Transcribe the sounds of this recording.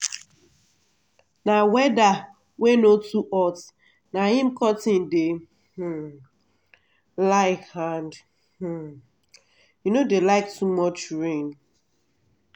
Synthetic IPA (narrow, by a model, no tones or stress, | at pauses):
nawɛda | wenotuʔɔt | nahɪ̃m̩kɔtɪ̃nde | h̩ | laɪkhãnd | h̩ | junodelaɪk̚tumɔt͡ʃɹĩŋɡ